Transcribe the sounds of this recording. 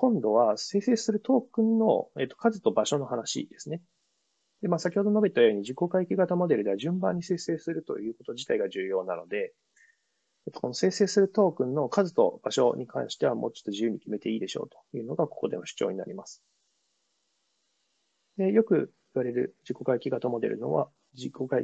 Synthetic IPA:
kõ̞nd̪o̞βase̞ːse̞ːsɨɾɯ̟t̪o̞ːkɯ̟̃nːo̞̰eːt̪ːo̥kazɨt̪o̞baɕo̞no̞hanaɕḭd̪e̞sɨne | d̪̥e̞maːsakʲihod̪o̞no̞bet̪ːajo̞ːɲ̟id͡ʑiko̞kaikʲiɡat̪amo̞d̪e̞ɾɯ̟d̪e̞aʑɨ̃mbã̰ɲ̟ːise̞ːse̞ːsɨɾɯ̟t̪o̞̰jɯ̟ːko̞t̪o̞d͡ʑit̪aiɡaʑɨːjo̞ːnano̞d̪e̞ | et̪ːo̥ko̞no̞se̞ːse̞ːsɨɾɯ̟t̪o̞ːkɯ̟̃nːo̞kazɨt̪o̞̰b̥aɕo̞̰ɲ̟ikʰã̰ɰ̃ɕi̥t̪e̞βamo̞ːt͡ɕo̥t̪ːo̞ʑijɯ̟ːɲ̟ikʲime̞t̪e̞iːd̪e̞ɕo̞̰ːt̪o̥jɯ̟ːno̞ɡako̞̥ko̞d̪e̞mo̞ɕɨ̥t͡ɕo̞̰ːɲina̰ɾʲimasɨ̥ | d̪e̞jo̞kɯ̟ | iβaɾe̞ɾɯ̟d͡ʑiko̞kaikʲiɡat̪amo̞d̪e̞ɾɯ̟̰no̞̰βa̰ | d͡ʑiko̞kaḭ

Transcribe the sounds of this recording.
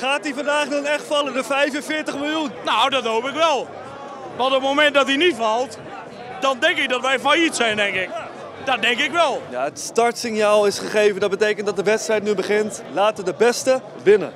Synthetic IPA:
χaːtivɑndaːχdɔnɛχtfɑləndəvɛjvənvɪːɹtəχmɪlˠjunnowdɔtɦowpɪkʋɛlˠ | ʋɑnˠtət̚mowmɛnt̚dɑtinitfɑlˠt | d̥ɑndɛŋkɪk̚dɔtʋɛjfajitsɛjndɛŋkɪk | d̥ɔt̚dɛŋkɪkʋɛlˠja̰ətstɑɹtsɪnjaːlˠɪsχəχejvəndɑt̚bətejkəntdɑtdəʋɛtstrɛjt̚nybəχɪntlaːtʋədəbɛstə | ʋɪnə̰n

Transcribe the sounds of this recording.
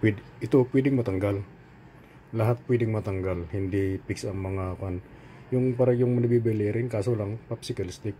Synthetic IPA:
pid | it̪upuidɪŋmat̪əŋɡal | laɦat̪̚puidɪŋmat̪əŋɡalhindipɪksamːaŋakan | jʊŋpaɾajʊŋməndəbibeleɾinkasulaŋpap̚sikalist̪ɪk̚

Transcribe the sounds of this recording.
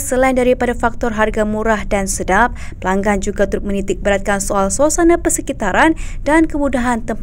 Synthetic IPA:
səlaindaɾipadafak̚t̪ɔrɦarɡamuɾahdansədap̚pəlaŋɡand͡ʒuɡat̪uɾʊt̪̚mənit̪ɪk̚bəɾat̪̚kansoalsosanapəsəkit̪aɾandankəmudaɦant̪əmp

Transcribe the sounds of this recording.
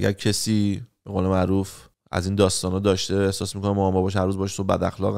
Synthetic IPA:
ɡæ̰ɾcʰesiːb̥eɣole̞mæʔɾuːf | æ̰ziːnd̪ɒːst̪ɒːnɒːd̪ɒːʃt̪eehsɒːsmiːkʰonemoɒmɒbɒːʃ̬hæɾuːzbɒːʃe̥sobæ̰d̪æxlɒ̰ːɣ

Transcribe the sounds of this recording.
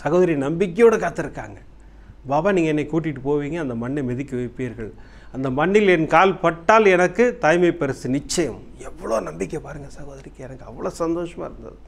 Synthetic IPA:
sɐɣoːðɐɾɪjɐnɐmbɪkːɐjoːɽɐkaːt̪ːɯɾɯkːa̰ːŋɡɐ | baːʋaːniːŋɡɐɛnːɐkuːʈ̬ːɪʈːɯpoːʋiːŋɡɐːnd̪ɐmɐɳːɛmɛðɪkːɯʋɐɪpːiːɾɣɐɭ | ɐnd̪ɐmɐɳːɪlɛnkaːlpɐʈːaːlɛnɐkːɯt̪ɐːjmɐɪpːɐɾɐsɯnɪt͡ʃːɐjɐm | ɛʋːɐɭoːnɐmbɪkːjɐpaːɾɯŋɡɐsɐɣoːðɐɾɪkːɛnɐkːɯɐʋːɐɭoːsɐnd̪oːʂɐma̰ːɪɾɯnd̪ɐ̰ðɯ

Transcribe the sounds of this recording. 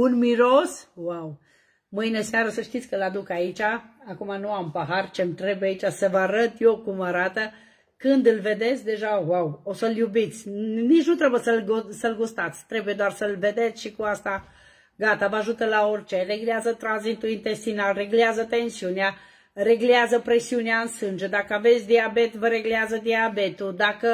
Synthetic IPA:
unmiɾoswaw | mɨjneseaɾəsəʃt̪it̪sʲkəlad̪ukait͡ʃaːkumanuampəɦart͡ʃemt̪ɾe̞bujait͡ʃasəvəaɾət̪jokumaɾat̪ə | kɨnd̪ɨlve̞d̪e̞t̪sʲd̪e̞ʒawawosəljubit̪sʲnit͡ʃnut̪ɾebujesəlɡsəlɡust̪at̪sʲt̪ɾe̞buje̞d̪oarsəlve̞d̪e̞t̪sʲʃikuast̪a | ɡat̪avəaʒut̪əlaorʲt͡ʃere̞ɡleazət̪ɾanzit̪uint̪e̞st̪inalre̞ɡleazət̪ensiunea | re̞ɡleazəpɾesiuneaɨnsɨnd͡ʒed̪akəave̞t̪sʲd̪iabe̞t̪vəɾe̞ɡleazəd̪iabe̞t̪ud̪akə

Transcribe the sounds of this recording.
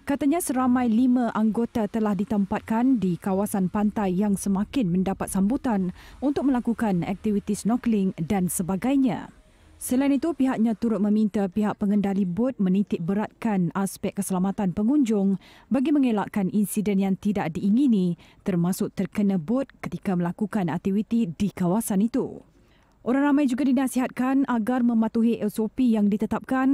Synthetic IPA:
kat̪aɲãsəɾamãjlimãʔaŋɡot̪at̪əlahdit̪əmpat̪̚kandikawasanpant̪ajːaŋsəmakɪnmə̃ndapat̪̚sambut̪anunt̪ʊk̚mə̃lakukanɛ̰k̚t̪ivit̪isnɔklɪŋdansəbaɡajɲã̰ | səlainit̪upiɦaʔ̚ɲãt̪uɾʊt̪̚mə̃mĩnt̪apiɦaʔ̚pəŋəndalibʊt̪̚mə̃nit̪ɪk̚bəɾat̪̚kanaspɛk̚kːəsəlamat̪anpəŋuɲd͡ʒʊŋ | baɡimə̃ŋelaʔkaninsidɛnjaŋt̪idaʔdiʔːŋinĩt̪ərmasʊʔt̪ərkənə̃bʊt̪̚kə̥t̪ikaməlakukanak̚t̪iwit̪idikawasanit̪u | ʔoɾaŋramãjd͡ʒuɡadinasiɦat̪̚kanaɡarmə̃mat̪uɦiʔesopijaŋdit̪ət̪ap̚kan

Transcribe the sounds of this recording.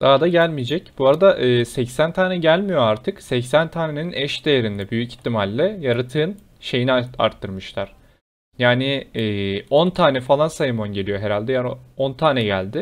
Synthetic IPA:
d̪̥aɦad̪aɟælʲmid͡ʒɛcb̥uaɾad̪aʔɯːsɛcsænt̪ʰaːnɛɟælʲmijo̞aɾt̪ʰɯksɛcsænt̪ʰaːne̞ninʔɛʃd̪e̞jeɾind̪ɛbyjyci̥t̪ʰːimalʲːɛjaɾat̪ʰɯːn | ʃe̞jinia̰ɾt̪ʰːɯɾmɯʃlˠaɾ̥ | jaːnɪː | o̞nt̪ʰaːnɛfalˠansajɯmonɟe̞lʲijo̞ɦeɾalʲd̪ɛjaːno̞nt̪ʰaːnɛɟælʲd̪ɪ

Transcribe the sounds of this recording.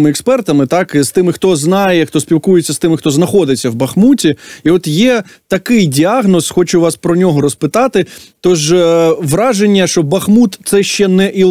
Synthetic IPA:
mɪɛkspɛrt̪ɐmɪt̪ɑkst̪ɪmɪxt̪ɔznɑjɛxt̪ɔspʲiwkujet͡sʲːɐst̪ɪmɪxt̪ɔznɐxɔd̪ɪt͡sʲːɐwbɐxmutʲiiɔt̪jɛt̪ɐkɪjdʲiɑɦnɔsxɔt͡ʃʊʋɑspɾɔnʲɔɦɔɾɔspɪt̪ɑt̪ɪt̪ɔʒʋɾɑʒenʲːɐʃɔbɐxmut̪t̪sɛʃt͡ʃɛnɛʔi

